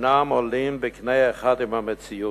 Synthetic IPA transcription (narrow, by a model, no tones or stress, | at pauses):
namɔlimbɛknejeχad̪imhamet͡siju